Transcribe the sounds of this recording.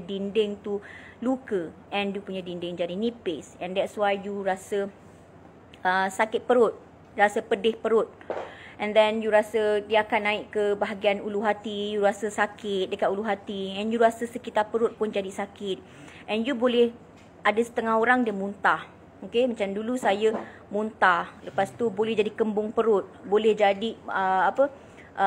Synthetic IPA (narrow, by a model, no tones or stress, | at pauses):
dindɪŋt̪ulukəʔɛ̃njupuɲadindɪŋd͡ʒadinĩpɪsɛ̃ndɛt̪swajjuɾasə | əsakɪt̪̚pəɾʊt̪̚ | ɾasəpədɪhpəɾʊt̪̚ʔɛ̃nd̪ɛ̃njuɾasədiakanːaɪʔkəbaɦaɡianuluɦat̪ijuɾasəsakɪt̪̚dəkat̪uluɦat̪iɛnjuɾasəsəkit̪apəɾʊt̪̚pʊnd͡ʒadisakɪt̪̚ | ʔɛnjubolɛh | ʔadasə̥t̪əŋaɦoɾaŋdiəmunt̪ah | okemat͡ʃamdulusaja | munt̪ahləpast̪ubolɛhd͡ʒadikəmbʊŋpəɾʊt̪̚bolɛhd͡ʒadiəapə | ʔə